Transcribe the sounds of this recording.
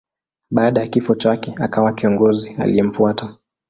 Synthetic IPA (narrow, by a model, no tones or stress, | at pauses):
ɓaːɗajakifɔt͡ʃakɛakawakiɔŋɡɔzia̰lijɛm̩fuata